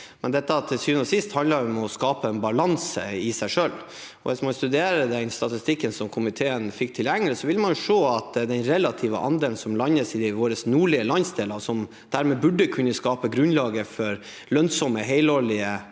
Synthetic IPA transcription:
mɛnd̪ɛt̪ːət̪ʰɪsyːnɔsɪst̪hɑnd̪əɾɔmɔskɑːpəɛnbɑlɑnsə̰ɪsæɪʂøl | ɔ̰ʋɪsmɑnst̪ʉd̪eːɾəd̪ɛɪnst̪ɑt̪ɪst̪ɪkːənsɔmkʰʊmɪt̪ʰeːənfɪk̚ːt̪ʰɪljæŋːələsɔʋɪləmɑnjʊʂoːɑt̪d̪ɛnɾɛlɑt̪ʰiːʋə̰ʔɑ̰nd̪eːln̩sɔmlɑnːəsɪʋoːɾəsnuːɭɪəlɑnsd̪eːləsɔm | d̪̥æɾmɛːbʉɖːəkʰʉnːəskɑːpəɡɾʉnlɑːɡəfɔɾ | lœnsɔməɦɛɪloːlɪə

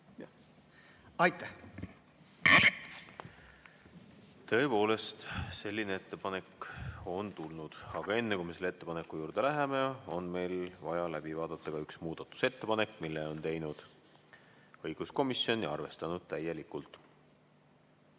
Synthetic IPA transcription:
ɑjt̪ːæ | t̪ɤ̞eːpo̞ːle̞st̪se̞lʲːinee̞t̪ːe̞pɑne̞kːˑo̞nt̪ulnud̪̥ɑɡ̥ɑe̞nːekumeselːet̪ːe̞pɑne̞kːˑujuːrd̪e̞læɦe̞me̞o̞nme̞jlvɑjɑlæb̥ivɑːd̪̥ɑt̪ːˑɑɡ̥ɑyksmuːd̪̥ɑt̪ːˑu̥se̞t̪ːe̞pɑne̞kːˑmilːeo̞nt̪e̞jnud̪̥ | ɤ̞jɡ̥usko̞misjo̞njɑ̰rve̞st̪ɑnud̪̥̚t̪æje̞likːult̪ˑ

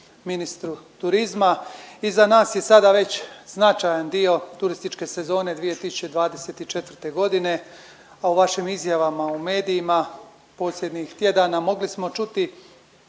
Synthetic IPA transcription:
minist̪ɾut̪uɾizmaizanaːsje̞sad̪aʋe̞t͡ɕznat͡ʃajand̪io̞t̪uɾist̪it͡ʃke̞se̞zo̞ːne̞d̪ʋije̞t̪isu̥t͡ɕe̞d̪ʋaːd̪e̞se̞t̪it͡ʃe̞t̪ʋr̩t̪e̞ɡo̞d̪ine̞ | auʋaʃimizjaʋamaume̞ːd̪ijima | po̞ːsʎʲe̞d̪nɲixt̪je̞d̪aːnamo̞ɡlismo̞t͡ʃut̪i

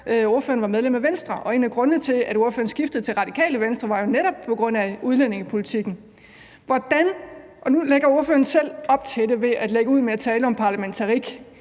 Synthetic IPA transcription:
o̝ɐføːɐn̩ʋɑ̈með̞ˠlemæʋensd̥ʁɐʔɒ̽e̝̰ːnæɡ̥ʁɔ̽nt͡sʰe̝æd̥o̝ɐføːɐn̩sɡ̥ifd̥ð̩ˠt͡sʰe̝lʁɑ̈d̥ikʰɛ̰ːləʋensd̥ʁɐʋɑ̈jo̝neɾɒ̽b̥̚pʰɒ̽ɡ̥ʁɔ̽n̰æuð̞ˠlen̰e̝ŋəpʰo̝lit͡sʰiɡ̥n̩ | ʋɒd̥æn | ʔɒ̽nuleɡ̥ɐo̝ɐføːɐn̩sel̰ɒ̽b̥̚t͡sʰe̝d̥e̝ʋe̝ʔæd̥leɡ̥əuð̞̰ˠmeæt͡sʰɛːləɒ̽mpʰɑ̈læment͡sʰɑ̈ʁiɡ̥

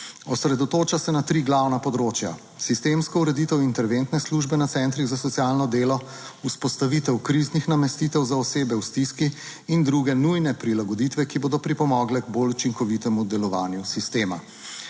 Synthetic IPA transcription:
ɔsɾɛd̪ɔt̪oːt͡ʃasɛnat̪ɾiːɡlawnapɔd̪ɾoːt͡ʃja̰ | sist̪eːmskɔuɾɛd̪it̪ɛwint̪ɛɾʋent̪nɛsluːʒbɛnat̪sɛnt̪ɾiɣzasɔt̪sijaːlnɔd̪eːlɔ | uspɔst̪aʋiːt̪ɛwkɾiznixnamɛst̪iːt̪ɛwzaɔseːbɛwst̪iskiː | nd̪ɾuɡɛnujnɛpɾilaɡɔd̪it̪ʋɛkiboːd̪ɔpɾipɔmɔːɡlɛɡbolut͡ʃiŋkɔʋit̪ɛmud̪ɛlɔʋaːnjusist̪eːma̰

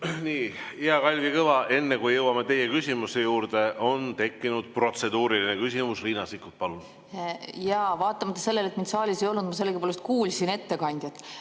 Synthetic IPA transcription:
niːiɑkɑlʲvjɑkɤvɑʔe̞nːekujjɤwɑmet̪e̞jːekysʲimusejuːɾd̪e̞ʔo̞nt̪e̞kˑːinud̪̥̚pro̞t̪se̞d̪uːɾilinekys̬ʲimusliːnɑsikːut̪̚pɑlun | jɑvɑːt̪ːˑɑmɑt̪ːˑɑse̞lːe̞le̞t̪ːˑmind̪sɑːlʲisejo̞lnud̪mɑse̞lːeɡipoːlest̪̚kuːlʲsine̞t̪ːe̞kɑnʲd̪̥ʲjɑt̪ːˑ

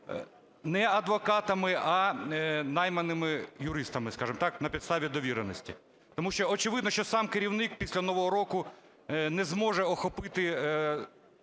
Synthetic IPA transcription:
nɛɐd̪ʋɔkɑt̪ɐmɪɐ | nɑjmɐnɪmɪjʊɾɪst̪ɐmɪskɑʒɪmt̪ɑknɐpʲid̪st̪ɑʋʲid̪ɔʋʲiɾenɔsʲtʲḭ | t̪ɔmuʃt͡ʃɔɔt͡ʃɪʋɪd̪nɔʃt͡ʃɔsɑmkeɾʲiwnɪk̚pʲisʲlʲɐnɔʋɔɦɔɾɔkʊ | nɛzmɔʒɛɔxɔpɪt̪ɪ

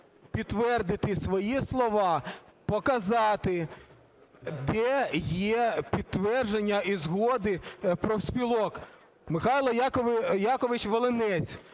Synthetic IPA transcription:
pʲid̪ʋɛrd̪ɪt̪ɪsʋɔjislˠɔʋɑpɔkɐzɑt̪ɪ | d̪ɛjɛpʲid̪t̪ːʋɛrʒenʲːɐizɦɔd̪ɪpɾɔwsʲpʲilˠɔk | mɪxɑjlˠɐjakɔjɑkɔʋɪt͡ʃʋɔlˠenɛt͡sʲ

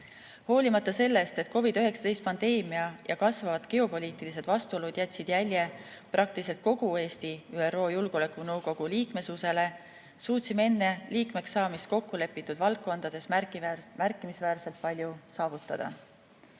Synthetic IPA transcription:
ho̞ːlʲimɑt̪ːˑɑse̞lːe̞st̪e̞t̪̚ko̞vid̪̥øɦe̞ksɑ̥d̪e̞jst̪̚pɑnd̪e̞ːmiɑjʔɑ̰kɑsvɑvɑt̪ke̞o̞po̞liːt̪ilise̞d̪̥vɑst̪uo̞lud̪̥jæt̪ʲsid̪̥jælʲje̞prʔɑk̚t̪ilise̞t̪̚ko̞ɡ̥ue̞ːst̪iyːe̞ro̞ːjulɡ̥o̞lekˑunɤwɡo̞ɡ̥uliːkme̞suse̞le̞ | suːt̪ʲsimee̞nːe̞liːkme̞ksːɑːmist̪̚ko̞kːule̞pːˑit̪ːˑud̪vɑlk̚kːo̞nd̪̥ɑd̪̥e̞smærkːˑimisvæːrse̞lt̪̚pɑlʲjusɑːvut̪ːˑɑd̪̥ɑ̰

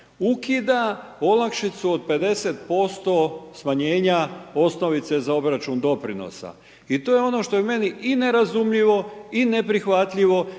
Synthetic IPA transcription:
ukid̪ao̞lˠakʃit̪suod̪̚pe̞d̪e̞set̪̚po̞st̪o̞smaɲe̞ːɲao̞sno̞ʋit̪se̞zao̞bɾat͡ʃund̪o̞pɾino̰sa̰ | it̪o̞ːjeo̞no̞ʃt̪o̞jeme̞niʔine̞ɾazumʎiʋo̞ine̞pɾixʋat̪ʎiʋo̞

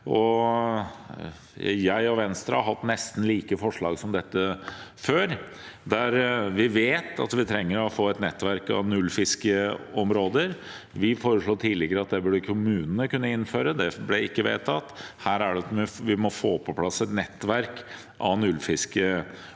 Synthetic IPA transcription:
ɔ | jæɪɔʋɛnst̪ɾəhɑɦɑt̪ːnɛst̪n̩liːkəfɔʂɭɑːɡsɔmd̪ɛt̪ːəføːɾ | d̪æɾʋɪʋeːt̪ɑ̰t̪ʋɪt̪ʰɾɛŋːəɾɔfoːɛt̪nɛt̪ːʋæɾkɑ̰nʉlfɪskəɔmɾoːd̪əɾ | ʋɪfoːɾəʂɭoːt̪ʰiːlɪɡəɾəɑt̪̚d̪ɛbʉɖəkʰʊmʉːnənəkʉnːəɪnføːɾəd̪ɛblɛɪkːəʋḛːt̪ʰɑt̪ːhæːɾæɖɛt̪ʋɪʋɪmɔfoːpʰɔpʰlɑsɛt̪nɛt̪ːʋæɾk | ʔɑ̰nʉlfɪskə

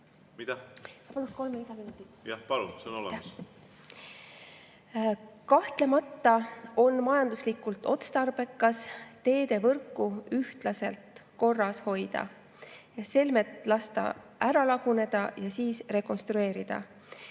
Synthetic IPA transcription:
mid̪ɑɑpɑlusko̞lmeisɑminut̪ːˑi | jɑpɑlṵnseonolḛ | kɑht̪le̞mɑt̪ːɑo̞nmɑjɑnd̪̥uslikːˑult̪ːˑo̞t̪st̪ɑrb̥e̞kːˑɑst̪e̞ːd̪e̞vɤrkːˑuyht̪lɑse̞lt̪ko̞rːɑsho̞jd̪̥ɑ̰ | ɑse̞lme̞t̪ˑlɑst̪ɑ̰ʔæɾɑlɑɡ̥une̞d̪̥ɑjɑsiːsre̞ko̞nst̪ɾue̞ːɾid̪̥ɑ̰

